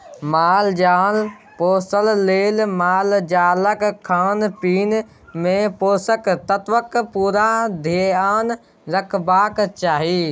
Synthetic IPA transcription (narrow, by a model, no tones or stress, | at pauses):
maːld͡ʒaːl | poːsəlːeːlmaːld͡ʒaːləkkʰːaːnpiːn | mẽpoːsəkt̪ət̪ʋəkpuːɾad̪ʱeaːn | ɾəkʰbaːkt͡ʃaːɦiː